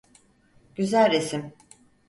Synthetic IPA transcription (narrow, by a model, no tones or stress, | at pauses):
ɟ̥yzælʲɾesim